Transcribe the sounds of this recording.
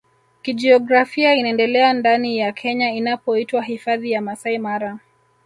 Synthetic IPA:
kid͡ʒiɔɡɾafiainaɛndɛlɛandanijakʰɛɲainapɔitwaɦifaðijamasaimaɾa

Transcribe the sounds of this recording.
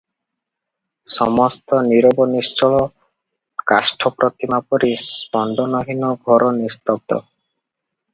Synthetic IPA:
sɔmɔst̪ɔniɾɔbɔnist͡ʃɔɭɔ | kasʈʰɔpɾʔɔt̪imapɔɾispɔnd̪ɔnɔɦinɔɡʱɔɾɔnist̪ɔb̚d̪ɔ̰

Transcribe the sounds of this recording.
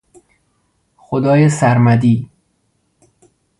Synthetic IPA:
xod̪ɒːjesæɾmæd̪iː

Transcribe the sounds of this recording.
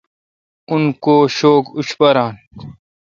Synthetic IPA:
unkoːɕoːkuɕpɐɾaːn

